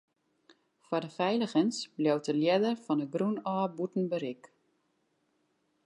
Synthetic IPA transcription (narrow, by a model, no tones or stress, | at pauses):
fwɔdəfɛjləɣənsbljowtəljɛdərfɔnəɡrunɔːbutn̩bəɾɪk